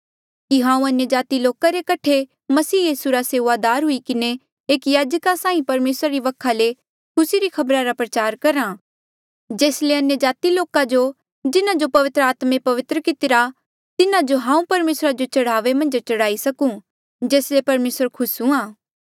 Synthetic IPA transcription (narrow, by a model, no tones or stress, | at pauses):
kiɦãːũɐnjəd͡ʒaːt̪iloːkaɾekɐʈʰe | mɐsiːjiːsuɾaseːʋad̪aːɾɦʊikɪne | eːkjaːd͡ʒkasãːĩpɐɾmeːsɾaɾiʋɐkʰːale | kʰʊsiɾikʰɐbɾaɾapɾɐt͡ʃaːɾkɐɾa | d͡ʒeːsleɐnjəd͡ʒaːt̪iloːkad͡ʒo | d͡ʒɪnãd͡ʒopɐʋɪt̪ɾəaːt̪mẽpɐʋɪt̪ɾəkɪt̪ɪɾa | t̪ɪnãd͡ʒoɦãːũpɐɾmeːsɾad͡ʒot͡ʃɐɽaːʋemɐ̃nd͡ʒt͡ʃɐɽaːisɐkũ | d͡ʒeːslepɐɾmeːsəɾkʰʊsũaː